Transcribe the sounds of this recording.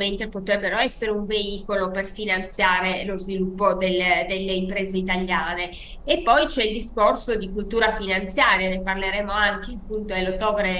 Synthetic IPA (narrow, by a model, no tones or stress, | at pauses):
ment̪ɾepot̪ɾɛbːeɾoɛsːeɾeuɱveiːkoloperfinant̪sjaːɾelozvilupːod̪elːed̪elːeimpɾeːzeit̪aljaːneː | pːɔjt͡ʃɛild̪iskorsod̪ikult̪uːɾafinant̪sjaːɾjaneparleɾeːmoaŋk̟eapːunt̪oelːot̪ːɔːvɾe